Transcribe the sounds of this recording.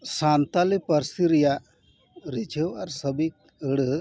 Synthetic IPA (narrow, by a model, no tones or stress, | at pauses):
sant̪alipəɾsiɾija | ɾit͡ʃʰewaɾsəbi | əɽ